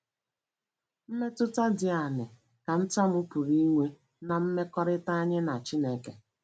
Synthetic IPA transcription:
m̩˦me˦tʊ˦ta˦dɪ˨a˨nɪ˨ | ka˨n̩˦tɔ˦mʊ˦pu˨ɾi˦ŋʷe˦ | na˨m̩˦me˦kɔ˦ɾɪ˦ta˦ɲɪ˦na˨t͡ʃi˦ne˦ke˨

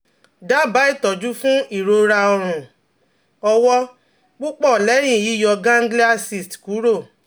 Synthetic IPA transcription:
da˦˨ba˨˦i˦˨tɔ˨d͡ʒu˦fũ˦i˦˨ɾo˧ɾa˧ɔ˧ɾ̃ũ˨ | ɔ˧wɔ˦ | k͡pu˦k͡pɔ˦˨lɛ˨˦j̃ĩ˦˨ji˨˦jɔ˧ɡã˦ɡli˦a˦si˦˨stku˨˦ɾo˦˨

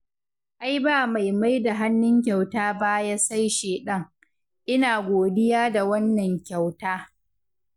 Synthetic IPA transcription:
ʔa˦jbaː˦˨ma˨jma˦jda˨ɦa˦nːʊ˦ŋkʲa˨wtaː˦ba˦jaː˦sa˦jʃeː˨ɗɐ˦ŋ | ʔɪ˦naː˨ɡʷoː˨dɪ˦jaː˦da˨wɐ˦nːɐ˨ŋkʲa˨wtaː˦

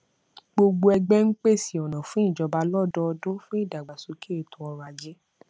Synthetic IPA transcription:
ɡ͡bo˧ɡ͡bo˧ɛ˧ɡ͡bɛ˦ŋ̩˦k͡pe˦˨si˨ɔ˨nã˨fũ˨˦i˦˨d͡ʒɔ˨˧ba˧lɔ˦˨dɔ˦ɔ˧dõ˦fũ˦i˦˨da˨ɡ͡ba˨su˨˧ke˦˨tũ˨˦ɔ˧ɾa˧˨d͡ʒe˨˦

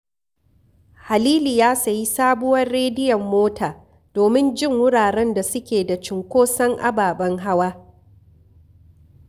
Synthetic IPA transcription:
ha˨liː˦liː˨jaː˦sɐ˨ji˦saː˦bʊ˦wɐ˦rːeː˦dɪ˦jɐ˨mːoː˦taː˨ | d̥oː˨mɪ˦nd͡ʒɪ˦˨ŋwʊ˦ɽaː˨ɽɛ˦nda˨sʊ˦kʲeː˨da˨t͡ʃɪ˨ŋkʷoː˦sɐ˦ŋʔa̰˦baː˨ɓɐ˦ŋɦa˦waː˦

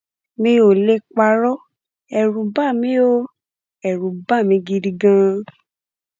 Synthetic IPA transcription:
mĩ˧o˨le˦k͡pa˧ɾɔ˦ | ɛ˨ɾũ˧˦ba˦˨mĩ˦o˦ | ɛ˨ɾũ˨˦ba˦˨mĩ˨˦ɡi˧di˧ɡã˧

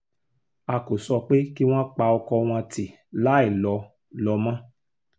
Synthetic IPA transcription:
a˧ko˨sɔ˧k͡pe˦ki˦w̃ã˦k͡pa˧ɔ˧kɔ˧w̃ã˧ti˨ | la˨˦i˦˨lɔ˧ | lɔ˧mã˦

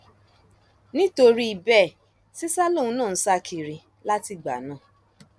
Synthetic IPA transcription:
nĩ˦to˧ɾi˦i˨bɛ˦˨ | si˦sa˦lõ˦˨˧nãː˦˨˦sa˦kʰi˨˧˨ɾi˧ | la˦ti˧˨ɡ͡ba̰˨nã˨˦˨

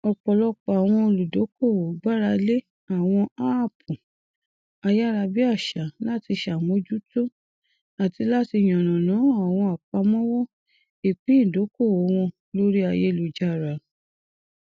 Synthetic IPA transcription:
ɔ˧˨k͡pɔ˨lɔ˧k͡pɔ˨a˨w̃ɔ̃˧o˧lu˨do˨˦ko˦˨wo˨ɡ͡ba˦ɾa˧le˦ | a˦˨w̃ɔ̃˧a˦˨pʰu˨ | a˧ja˦˨ɾa˧bi˦a˦˨ʃa˨la˦˨ti˧ʃa˨mo˨˧˦d͡ʒu˦to˦ | a˨ti˨˧˦la˦ti˧˨j̃ɔ̃˨nã˨nã˨˦a˨w̃ɔ̃˧a˨k͡pa˧mɔ̃˦wɔ˦ | e˨k͡pĩ˦˨do˨˦ko˦˨wo˨˦w̃ɔ̃˧ | lo˦ɾi˦a˧˨je˧˦˧lu˨d͡ʒa˧˨ɾa˨

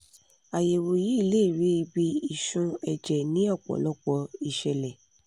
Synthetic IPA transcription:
a˨je˨wo˨ji˨˦i˦˧˨le˦i˦˨ɾi˨˦i˧bi˧i˨ʃũ˧ɛ˧d͡ʒɛ˨nĩ˦ɔ˦˨k͡pɔ̰˨lɔ˦˨k͡pɔ˧˦i˧ʃɛ˧lɛ˨

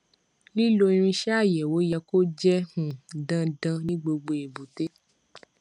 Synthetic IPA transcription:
li˦lo˧i˧ɾ̃ĩ˧ʃɛ˦a˦˨jɛ˨wo˨˦jɛ˧ko˦d͡ʒɛ˦hũ˨dã˧dã˧nĩ˦ɡ͡bo˧ɡ͡bo˧e˨bu˨te˦

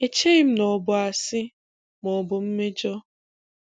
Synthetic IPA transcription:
e˨t͡ʃe˦ɪ˦m̩˦nɔ˨bʊ˨a˨sɪ˦ | mɔ˨bʊ˨m̩˦me˦d͡ʒɔ˦

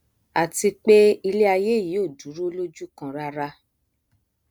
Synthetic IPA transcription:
a˨ti˧k͡pe˦i˧le˦a˧je˦˨ji˨˦o˦˨du˨˦ɾo˦lo˦d͡ʒu˦kã˧ɾa˧ɾa˧

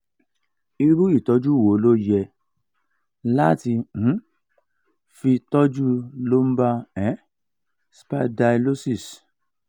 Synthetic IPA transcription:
i˧ɾu˦i˦˨tɔ˨˦d͡ʒu˦˨wo˨˦lo˦jɛ˧ | la˦ti˧ñ̩˨˦ | fi˧tɔ˦d͡ʒu˦lo˦m̩˦ba˦ɛ̃˨˦ | spa˦˧da˧lo˦si˦˨s

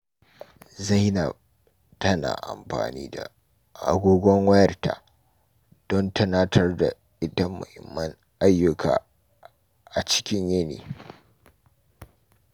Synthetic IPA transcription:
za˦˨jna˨ | tɐ˦na̰ː˨ʔa̰˨mɸa̰ː˨niː˦da̰˨ | ʔa̰˨ɡʷoː˦ɡʷɔ˦ŋwɐ˦jɐ˦rta̰˨ | d̥ɔ˦ntɐ˦naː˦tʰɐ˦rda˨ | ʔɪ˦dɐ˦mːɐ̰˨hɪ˨mːɐ˦ŋ | ʔa˦jːʊ˨kʰa̰ː˨ | ʔa˨t͡ʃɪ̥˦kʲɪ˦ɲjɐ˦nḛː˨

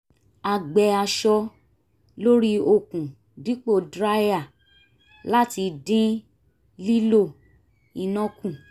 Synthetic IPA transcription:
a˧˨ɡ͡bɛ˧a˧ʃɔ˧ | lo˦ɾi˦o˨kũ˨ | dĩ˦k͡po˦˨dɾa˦ja˦˨ | la˦ti˧dĩ˦ | li˦lo˦˨ | i˧nɔ̃˦kũ˦˨

